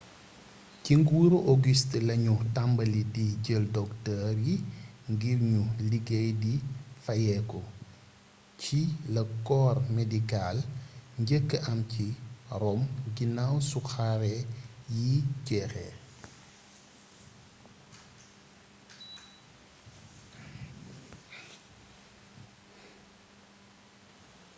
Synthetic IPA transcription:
ciŋɡuɾuʔoɡistlɐɲutambɐlidiɟəldɔktəːrjiŋɡiɾɲuliɡejdifɐjɛkɔ | cʰilɐkɔːrmedikalɲɟəkːəʔɐmciɾɔmɡinawsuxaɾɛjicɛxɛ̰

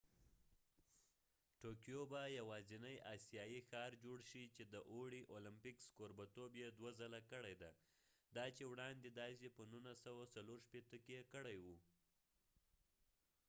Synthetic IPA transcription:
ʈokijobajawɑzinajɑsijɑjixɑɾd͡ʒoɽʃit͡ʃed̪əʔoɽiʔolɪmpɪkskoɾbat̪objed̪wazalakəɽajd̪a | d̪ɑt͡ʃewɽɑnd̪ed̪ɑsepənunasawat͡saloɾʃpet̪əkejekəɽajwu

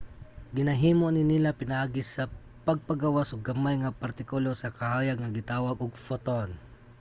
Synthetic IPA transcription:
ɡɪnɐɦiːmonɪnɪlapɪnɐʔaːɡɪsɐ | pɐɡ̚pɐɡawasʔoɡ̚ɐmajŋɐpɐɾt̪ɪkʊlosɐkɐhaːjɐɡŋɐɡɪt̪aːwɐɡoɡ̚fot̪on

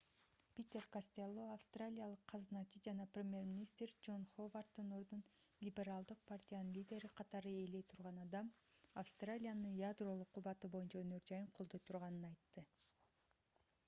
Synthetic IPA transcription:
pʲit̪ʲe̞rkasʲt̪ʲelˠːoafst̪ralʲijalˠɯqʰːɑznɑt͡ʃid͡ʒɑnɑprʲɪmʲje̞rmʲinʲist̪rd͡ʒo̞nχovart̪ːɯno̞ɾd̪un | lʲibʲe̞ɾalˠd̪ɯq̚pʰartʲijanɯnlʲidʲe̞ɾiqʰɑt̪ɑɾɯe̞lejt̪ʰuɾʁɑnɑd̪ɑmafst̪ralʲijanɯnjad̪ro̞lˠuqʰːuβɑt̪ɯbo̞junt͡ʃɑønø̞ɾd͡ʒɑjɯɴqʰo̞lˠd̪o̞jt̪ʰuɾʁɑnɯnɑjt̪ːɯ

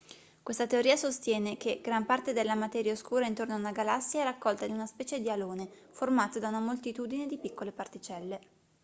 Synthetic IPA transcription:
kwest̪at̪eoɾiːasost̪jɛːnekeɡ̥ɾampart̪ed̪elːamat̪ɛːɾjaoskuːɾaint̪ornoaunaɡalasːjaɛrakːɔlt̪ad̪iunaspɛːt͡ʃed̪ialoːne | formaːt̪od̪aunamolt̪it̪uːd̪ined̪ipikːolepart̪it͡ʃɛlːe

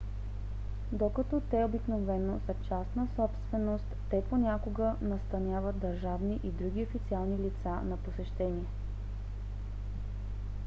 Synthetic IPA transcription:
d̪okɐt̪ɔt̪ɛobiknovɛnozɐt͡ʃasnəsɔpst̪vɛnost̪ːɛponʲakoɡənɐst̪ɐnʲjavət̪̚d̪ɐɾʒavniʔid̪ɾuɡʲiofit̪sialˠnilit̪sanɐposɛʃt̪ɛniɛ

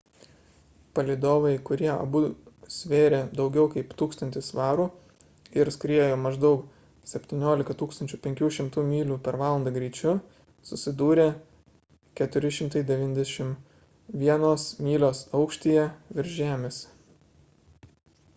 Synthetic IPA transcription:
pɐlʲɪd̪oːʋɐɪkʊɾʲiɛɐ̰busʲʋʲeːɾʲed̪ɒʊɡʲɛʊkɐɪpt̪uːkst̪ɐnʲt̪ʲɪsʋɑːɾuː | ɪɾsʲkɾʲiɛjoːmɐʒd̪ɒʊk | sʲɛpʲt̪ʲɪnʲoːlʲɪkɐt̪uːkst̪ɐnʲt͡ʃʲʊpʲɛŋʲkʲuːʃʲɪmt̪uːmʲiːlʲuːpʲɛɾʋɑːlˠɐnd̪ɐɡɾʲiːt͡ʃʲʊ | sʊsʲɪd̪uːɾʲeː | kʲɛt̪ʊɾʲɪʃʲɪmt̪ɐɪd̪ʲɛʋʲiːnʲd̪ʲɛʃʲɪm | ʋʲiɛnoːsmʲiːlʲoːsɐʊkʃʲt̪ʲiːjɛʋʲɪɾʲʒʲæːmʲɪs

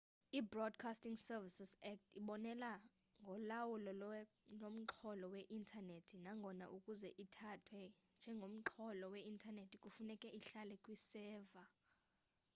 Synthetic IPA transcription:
ibrɔdkʰastiŋsɛrvisisɛk̚tʰiɓɔnɛla | ŋɡʱɔlawulɔ | lom̩ǁʰɔlɔwɛʔintʰʼanetʰinaŋɡʱɔna̰ʔukʼuzɛʔitʰatʰwɛnd͡ʒʱɛŋɡʱom̩ǁʰɔlɔwɛintʰʼanetʰikʼufunɛkʼɛʔiɬalɛkʼwisɛːva

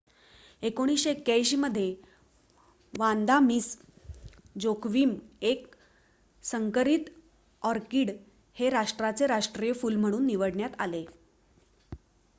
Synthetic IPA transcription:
ekoɽ̃isɕeekjajɕiːməd̪ʱːje | ʋãnd̪amiːs | d͡zokʰʋiːmek | səŋkəɾit̪ | ɔɾkiːɽ | heɾaʂʈɾat͡seɾaʂʈɾijəfuːlm̤əɽ̃uːnːiʋəɽɳjat̪a̰le

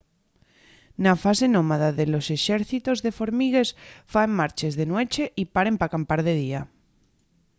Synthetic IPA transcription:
nafasenõmaðaðelo̞se̞ʃeɾθit̪ozðefo̞ɾmiɣ̞e̞sfaemːaɾt͡ʃezðenwe̞t͡ʃeʔipaɾempakampaɾðeð̞ia

